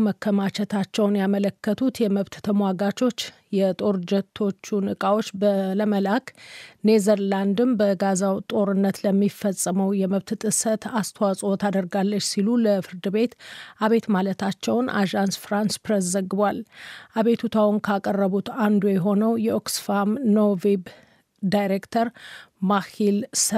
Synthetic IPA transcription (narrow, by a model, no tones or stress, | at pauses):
məkʰːəmat͡ʃʰɛt̪ʰat͡ʃːɛwnjamələkʰːət̪ʰut̪jɛməβt̪t̪ʰəmwaɡat͡ʃo̞t͡ʃː | jɛt̪ʼo̞ɾd͡ʒɛt̪ʰːo̞t͡ʃːunɨkʼawo̞t͡ʃːbələməlakne̞zəɾland̪ɨmbəɡazawt̪ʼo̞ɾɨnːət̪ləmːifːəsʼəməwjɛməβt̪t̪ʼɨsət̪ast̪ʰəwasʼot̪ʰad̪əɾɡalːət͡ʃːsiluləfɨɾd̪ɨβe̞t̪aβe̞t̪malət̪ʰat͡ʃːɛwnʔa̰ʒansfɾanspɾes̬zəɡːɨβalʔaβe̞t̪ʰut̪ʰawnkʰakʼərːəβut̪and̪ujɛɦo̞nəwjɛoksfamnovib | dajɾekt̪ʰəɾmahils